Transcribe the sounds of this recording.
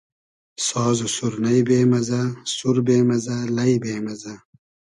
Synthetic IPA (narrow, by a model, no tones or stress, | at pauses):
sɔːzusuɾnɐjbeːmɐzasuɾbeːmɐzalɐibeːmɐza